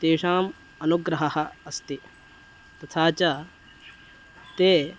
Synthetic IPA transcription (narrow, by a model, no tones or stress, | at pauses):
t̪eːʂaːm | ɐnuɡɾɐɦɐɦɐːst̪i | t̪ɐt̪ʰaːt͡ʃɐ | t̪eː